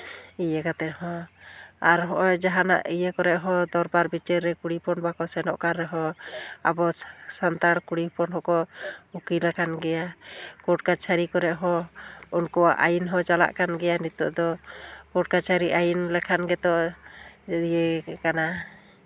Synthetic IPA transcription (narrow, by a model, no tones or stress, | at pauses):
ijekat̪ɛthɔ̃ | aɾɦɔʔɔjd͡ʒaɦana̰ʔijəkɔɾɛʔɦɔd̪ɔɾbaɾbit͡ʃɛɾːɛkuɽipʰɔnbakɔsɛnɔ̰ʔkaɾːɛɦɔa̰bɔsant̪aɽkuɽipɔnɦɔkɔukilakʰanɡɛjakɔʈkat͡ʃʰaɾikɔɾɛʔɦɔ̃unkɔwaʔajinɦɔt͡ʃala̰ʔkanɡɛjanit̪ɔ̰ʔd̪ɔkɔʈ̚kat͡ʃʰaɾiʔajinlɛkʰanɡɛt̪ɔ | ijekana